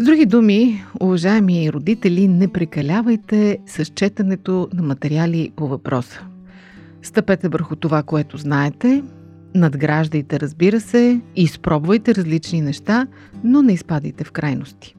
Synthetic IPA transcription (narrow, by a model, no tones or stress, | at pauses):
zd̪ɾuɡ̟id̪umiʊvɐʒaɛmiəiɾod̪it̪ɛlʲinɛpɾɛkɐlʲavəjt̪ɛsɐʃt͡ʃɛt̪ɐnɛt̪onɐmɐt̪ɛɾialʲipovɐpɾɔsə̥ | st̪ɐpɛt̪ɛvəɾxʊt̪ovakoɛt̪oznaɛt̪ɛ | nɐd̪ɡɾaʒd̪əjt̪ɛɾəzbiɾəsɛispɾɔbvəjt̪ɛɾɐzlit͡ʃninɛʃt̪a | nonɛispad̪əjt̪ɛfkɾʔajnost̪i̥